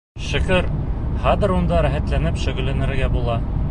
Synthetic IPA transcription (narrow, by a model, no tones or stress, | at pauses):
ʃɘ̆kɘɾhɑd̪ɘ̆ɾund̪ɑɾæχæt̪lænɘpʃɵ̆ɡɘ̆læ̆nɘ̆ɾɡæbulˠɑ